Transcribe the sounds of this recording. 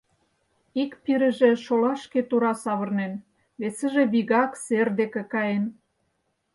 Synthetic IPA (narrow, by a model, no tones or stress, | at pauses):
ikpiɾə̆ʒĕʃolɑʃket̪uɾɑsɑβɤ̆rnen | βesə̆ʒĕβiɣɑkserd̪ekĕkɑjen